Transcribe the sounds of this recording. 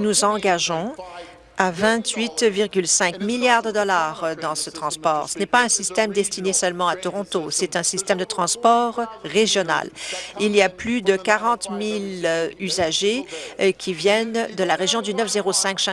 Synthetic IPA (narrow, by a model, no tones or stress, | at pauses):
nuzɑ̃ɡaʒɔ̃ | avɛ̃t̪ɥit̪viʁɡʲylsɛ̃kmiljaʁd̪əd̪ɔlaʁd̪ɑ̃sət̪χɑ̃spɔʁsənɛpaɛ̃sist̪ɛmd̪ɛst̪inesœlmɑ̃at̪ɔʁɔ̃t̪osɛt̪ɛ̃sist̪ɛmd̪ət̪χɑ̃spɔʁːeʒjɔna̰liliaplyd̪əkaʁɑ̃t̪milyzaʒekʲʰivjɛnd̪əlaʁeʒjɔ̃d̪ynœfzeʁosɛ̃ksɛ̃